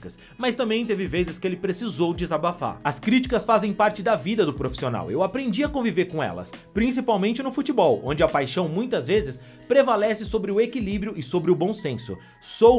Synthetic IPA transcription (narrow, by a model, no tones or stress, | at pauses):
kɐs | mɐst̪ɐ̃mbẽj̃t̪evɪvezɪskɪelɪpɾesizowd͡ʒɪzabafa̰ɾɐskɾit͡ʃi̥kɐsfazẽj̃paɾt͡ʃɪd̪ɐvid̪ɐd̪ʊpɾofi̥siona̰wewapɾẽnd͡ʒiɐkõviveɾkõɛ̰lɐ̰spɾĩs̬ipawmẽnt͡ʃɪnʊfut͡ʃibɔwõ̰nd͡ʒɪɐpajʃɐ̃w̃mũj̃t̪ɐzvezɪs | pɾevalɛsɪsobɾɪʊekilibɾiʊɪsobɾɪʊbõw̃sẽsʊ̰ | so